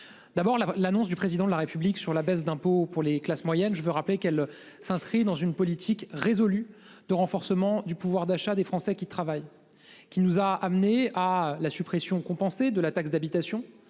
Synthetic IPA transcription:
d̪̥abɔʁlalanɔ̃s̬d̪ypχezid̪ɑ̃d̪əlaʁepybliksyʁlabɛs̬d̪ɛ̃popuʁleklasmwajɛnʒəvøʁaplekɛl | sɛ̃skχid̪ɑ̃zynpɔlit̪ʰikʁezɔly | d̪̥əʁɑ̃fɔʁsəmɑ̃d̪ypuvwaʁd̪aʃad̪efχɑ̃sɛkʲit̪χavaj | kʲinuzaamnealasypχesjɔ̃kɔ̃pɑ̃sed̪əlat̪aksd̪abit̪asjɔ̃

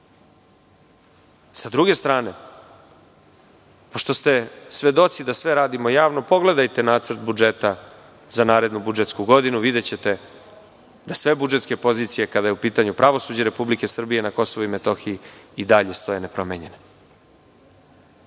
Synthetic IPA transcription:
sad̪ɾuɡe̞st̪ɾaːne̞ | po̞ʃt̪o̞st̪e̞sʋe̞d̪o̞t̪sid̪asʋe̞ɾaːd̪imojaːʋno̞po̞ɡle̞d̪ajt̪e̞naːt̪sr̩t̪̚bud͡ʒe̞t̪a | zanaːɾe̞d̪nubud͡ʒe̞t̪skuɡo̞d̪inuʋid̪e̞t͡ɕe̞t̪e̞ | d̪asʋe̞bud͡ʒe̞t̪ske̞po̞zit̪sije̞kad̪ajeupiːt̪aɲupɾʔaʋo̞suːd͡ʑeɾe̞publike̞sr̩bije̞nako̞so̞ʋuimet̪o̞xijiid̪aʎe̞st̪o̞je̞nepɾo̞meɲe̞ne

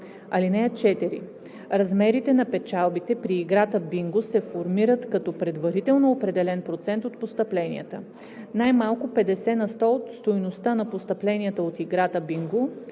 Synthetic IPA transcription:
ɐlinɛjət͡ʃɛt̪ɛɾḭ | ɾɐzmɛɾit̪ɛnɐpɛt͡ʃalˠbit̪ɛpɾiːɡɾat̪əbiŋɡʊsɛfoɾmiɾət̪kɐt̪ɔpɾɛd̪vɐɾit̪ɛlˠnoːpɾɛd̪ɛlɛnpɾot̪sɛnt̪ot̪post̪əplɛnḭjə̰t̪ə | najmalˠkʊpɛd̪ɛsɛnɐst̪ɔot̪st̪ojnost̪anɐpost̪ɐplɛnijət̪əot̪iɡɾat̪əbiŋɡʊ

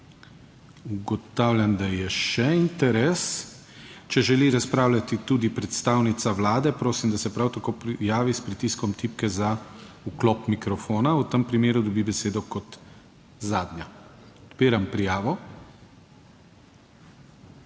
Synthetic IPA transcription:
uɡɔt̪awlʲjand̪ajɛʃɛint̪ɛɾɛːs | t͡ʃɛʒɛliɾaspɾaːwlʲat̪it̪ud̪ipɾɛt̪st̪aːwnit̪saʋlaːd̪ɛpɾoːsimd̪asɛpɾawt̪akoːpɾijaːʋispɾit̪iskɔmt̪iːpkɛza | uklɔːpmikɾɔfoːnaut̪əmpɾimeːɾud̪ɔbibɛseːd̪ɔkɔt̪ | zaːd̪nʲja | ɔt̪piːɾampɾijaːʋɔ

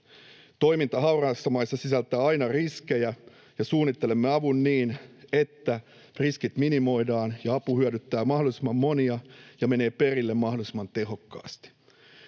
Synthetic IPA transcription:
t̪o̞jmint̪ɑɦɑuwrɑːsːɑmɑjsːɑsisælt̪æːɑjnɑriske̞jæ | jɑsuːnːit̪ːele̞mːeɑʋunːiːne̞t̪ːæ | riskit̪minimo̞jdɑːnjɑɑpuhyødyt̪ːæːmɑhdolisimɑmːo̞niɑjɑme̞ne̞ːpe̞rilːemːɑɦdolisimɑnt̪e̞ɦo̞kːɑ̰ːst̪i̥

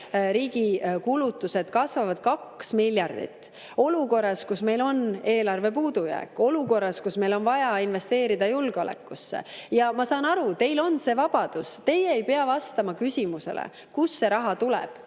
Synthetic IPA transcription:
ɾiːɡ̥ikulut̪ːˑuse̞d̪̥kɑsvɑvɑd̪̥̚kɑksmilʲjɑrd̪̥ḭt̪ːˑ | o̞luko̞rːɑskusme̞jlo̞ne̞ːlɑrve̞puːd̪̥ujæ̰ːkːˑo̞luko̞rːɑskusme̞jlo̞nvɑjɑinve̞st̪e̞ːɾid̪̥ɑjulɡ̥eo̞lḛkːˑusːe̞̰jɑmɑsɑːnɑɾut̪e̞jlo̞nse̞ːvɑb̥ɑd̪̥ust̪e̞jeːjpeɑvɑst̪ɑmɑkysʲimuse̞̰lʔḛ | kusːe̞ɾɑɦɑt̪ulɛ̰b̥

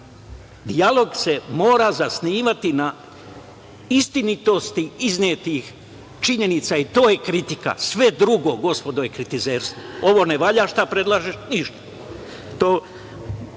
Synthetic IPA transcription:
d̪ialo̞ɡsemo̞ːɾazasniːʋat̪ina | ist̪init̪o̞st̪iiznet̪ix | t͡ʃiɲe̞nit̪sait̪o̞ːjekɾit̪ika̰sʋe̞d̪ɾuɡo̞ɡo̞spo̞d̪oje̞kɾit̪izeːɾst̪ʋoo̞ʋo̞neʋaʎaʃt̪apɾe̞d̪lˠaːʒeʃniʃt̪ḁ | t̪oː

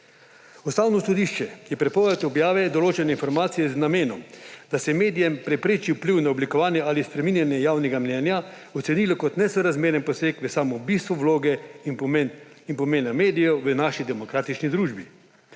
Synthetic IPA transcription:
ɔst̪aːwnɔsɔd̪iʃt͡ʃɛjɛpɾɛpɔːʋɛt̪ɔbjaːʋɛd̪ɔloːt͡ʃɛnɛinfɔɾmaːt̪sijɛznameːnɔmd̪asɛɛmeːd̪ijɛmpɾɛpɾeːt͡ʃiwpliwnaɔblikɔʋaːnjɛalispɾɛminjanjɛjaːwnɛɡamnɛːnja | ɔt̪sɛniːlɔkɔt̪nɛsɔɾazmeːɾɛnpɔseːkʋəsaːmɔbist̪ʋɔʋloːɡɛi | inpɔmeːnameːd̪ijɔʋənaʃid̪ɛmɔkɾaːt̪it͡ʃnid̪ɾuːʒbi

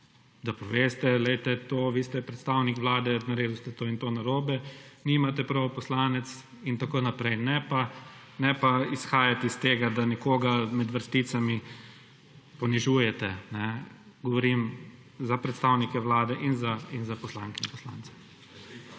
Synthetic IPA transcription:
d̪apɔʋeːst̪ɛlɛɪt̪ɛt̪oːʋiːst̪ɛpɾɛt̪st̪aːwnikʋlaːd̪ɛnaɾeːd̪ust̪ɛt̪oːint̪oːnaɾoːbɛnimat̪ɛpɾawpɔslaːnɛt̪s | int̪akoːnapɾɛjnɛpa | nɛpaisxaːjat̪ɛist̪eːɡad̪anɛkoːɡamɛd̪ʋəɾst̪it̪sami | pɔniʒuːjɛt̪ɛnɛ | ɡɔʋɔɾim | zapɾɛt̪st̪aːwnikɛʋlaːd̪ɛʔinzainzapɔslaːŋkɛimpɔslaːnt̪sḁ

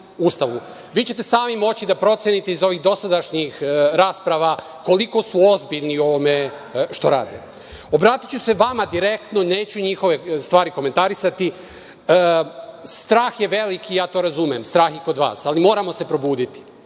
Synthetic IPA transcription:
ust̪aʋu | ʋiːt͡ɕe̞t̪e̞saːmimo̞t͡ɕid̪apɾo̞t̪sjenit̪e̞izo̞ʋiɣd̪o̞sad̪aʃɲixɾaːspɾaʋa | ko̞liko̞suo̞zbiʎnio̞ʋo̞me̞ | ʃt̪oɾa̰ːd̪e | o̞bɾaːt̪i̥t͡ɕuse̞ʋamad̪iɾe̞kt̪no̞ne̞ːt͡ɕuɲixo̞ʋe̞st̪ʋaːɾiko̞ment̪aɾisat̪i | st̪ɾaːxje̞ʋe̞likijaːt̪o̞ɾazumiemst̪ɾaːxiko̞d̪ʋa̰ːsalimo̞ːɾamo̞se̞pɾo̞buːd̪it̪i̥

